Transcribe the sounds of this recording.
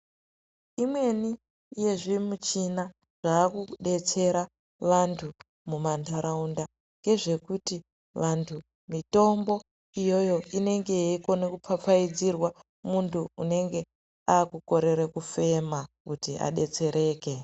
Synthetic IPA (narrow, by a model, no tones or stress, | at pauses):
imwe̞ni | jeʐimut͡ʃina | ʐ̥aːkuɗe̞t͡se̞ɾa | ʋantʰu | mumantʰaɾaunda | ŋɡe̞ʐe̞kuti | ʋantʰu | mito̞mbo̞ | ijo̞jo̞ine̞ŋɡe̞jiko̞nekupap͡faid͡zirwa | muntʰuune̞ŋɡe̞ | aːkuko̞ɾe̞ɾekufe̞makutia̰ɗe̞t͡se̞ɾʔe̞ːke̞